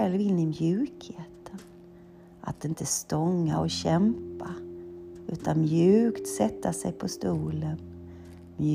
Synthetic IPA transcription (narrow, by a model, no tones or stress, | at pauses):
ɛlvɪnːɪmjʉ̟ːkheːt̪ən | ʔa̰t̪ɪnt̪ʰəst̪ɔŋːa̰ɔɕɛmpa | ʉ̟ːt̪ʰanmjʉ̟ːkt̪sɛt̪ʰːasɛjpʰɔst̪uːlən | mj